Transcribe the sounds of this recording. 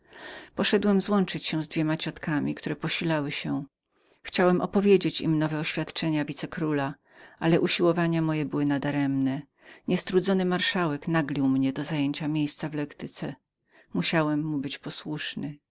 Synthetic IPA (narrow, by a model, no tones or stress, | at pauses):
pɔʂɛd̪wɛmzwɔnt͡ʂɘt͡ɕɕɛ̃zd̪vʲemat͡ɕɔt̪kamʲikt̪uɾɛpɔɕilawɘɕɛ | xt͡ɕawɛmʔɔpɔvʲjed͡ʑet͡ɕimnɔvɛɔɕfʲjat̪t͡ʂɛɲavʲit̪sɛkɾula | ʔalɛʔuɕiwɔvaɲamɔjɛbɘwɘnad̪aɾɛmnɛ | ɲɛst̪ɾud̪zɔnɘmaɾʂawɛknaɡlʲiwmɲɛd̪ɔzajeɲt͡ɕamʲjejst̪savlɛkt̪ɘt̪sɛ | muɕawɛmːubɘt͡ɕpɔswuʂnɘ